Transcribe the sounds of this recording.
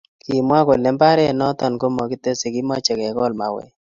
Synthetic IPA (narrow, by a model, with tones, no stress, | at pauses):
kʰi˨mwa˦ko˨le˨˦mba˦ɾɛ˦˨nɔ˦tɔ˨nko˦mɔ˨ki˦te˦se˨ki˦mɔ˦t͡ʃe˨kɛ˨kɔ˦˨lma˨wɛ̰˦˨